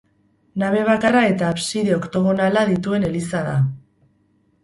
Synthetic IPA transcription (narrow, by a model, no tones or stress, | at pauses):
naβ̞e̞β̞akarae̞t̪aːpsiðeokt̪o̞ɣ̞o̞nalaðit̪ue̞ne̞lisaða